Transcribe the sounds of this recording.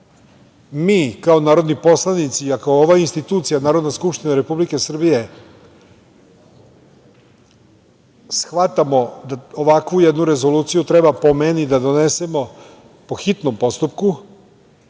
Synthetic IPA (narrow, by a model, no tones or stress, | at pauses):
miːkao̞naːɾo̞d̪nipo̞slˠanit̪siakaooʋainst̪it̪uːt̪sijanaːɾo̞d̪naskupʃt̪inaɾe̞publike̞sr̩bije̞ | sxʋat̪amo̞d̪aoʋakʋujed̪nuɾe̞zo̞luːt̪sijut̪ɾe̞bapo̞menid̪ad̪o̞ne̞se̞mo̞ | po̞xit̪no̞mpo̞st̪upku